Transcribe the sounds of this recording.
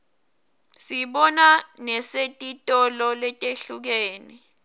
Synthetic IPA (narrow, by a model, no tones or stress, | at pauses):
siɓɔnanɛsetʼitʼɔlɔlɛtʼeɬuk̬eːni